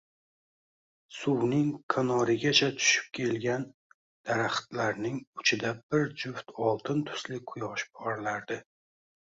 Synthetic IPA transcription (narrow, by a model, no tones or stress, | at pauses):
sʊwnɪŋkʰanɒɾɪɡʲat͡ʃʰat̪ʰʊ̥ʃɪ̥p̚kʲʰe̞lɡʲan | d̪̥aɾaχt̪laɾnɪŋʊt͡ʃʰɪd̪abɪɾd͡ʒʊft̪ʰɒlˠt̪ʰɪnt̪ʰʊ̥slɪqʰʊjɒʃbɒɾlaɾd̪ɪ